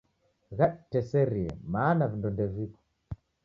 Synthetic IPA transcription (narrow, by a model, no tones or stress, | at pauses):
ɣaɗtɛsɛɾiɛ̰maːnavindɔndɛvikɔ̥